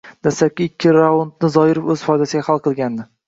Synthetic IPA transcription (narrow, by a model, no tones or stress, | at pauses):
d̪̥aslap̚kʲɪːkʲʰːɪɾawont̪nɪzɒɪɾɪpɵz̥fɒjd̪asɪɡʲahalˠqʰɨlˠɡʲand̪ɪ